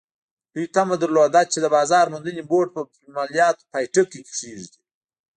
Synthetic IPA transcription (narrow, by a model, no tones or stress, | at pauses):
d̪̥ujt̪amad̪əɾlod̪at͡ʃed̪əbɑːzɑːɾmʊnd̪əneboʈ̚pə | malijɑːt̪pɑjʈəkekʂeʐd̪i